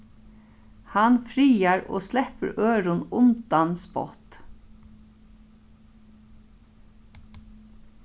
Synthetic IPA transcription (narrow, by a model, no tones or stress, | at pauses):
hanfɾiːaɾo̰ːslɛpəɾʔøːɾʊnʊnt̪anspɔ̰t̪